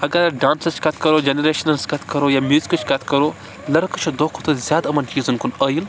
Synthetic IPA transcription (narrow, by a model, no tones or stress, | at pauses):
ɐɡɐɾɖaːnsɐt͡ʃʰkɐt̪ʰkɐɾoːd͡ʒeneɾeːʃɐnɐnskɐt̪ʰkɐɾoːjaːmʲjuːzikɨt͡ʃʰkɐt̪ʰkɐɾoː | lɐɾkɐt͡ʃʰod̪oːkʰot̪ɐzʲjaːd̪ɐmɐnd͡ʒiːzɨnkunəːjil